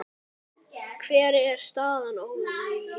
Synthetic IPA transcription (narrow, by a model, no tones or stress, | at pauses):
kʰv̥ɛːɾɪɛɾ̥st̪aːðanow